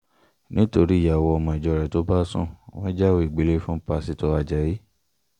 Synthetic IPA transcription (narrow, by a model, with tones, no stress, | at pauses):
nĩ˦to˧ɾi˦˨ja˨wɔ˧ɔ˧mɔ̃˧i˨d͡ʒɔ˧˦ɾɛ˨to˨˦ba˦sṵ̃˦˨wɔ̃˦d͡ʒa˦wo˦i˨ɡ͡be˨˦le˦fũ˦pa˧si˧tɔ˧a˧d͡ʒɛ˨ji˦